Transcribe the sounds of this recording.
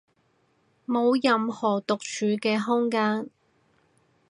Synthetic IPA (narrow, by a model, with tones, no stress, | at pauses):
mo˨˧wjɐ˨˧mhɔː˨˩t̪ʊ˨k̚t͡ʃʰyː˨˧kɛː˧ɦʊ˥ŋkaː˥n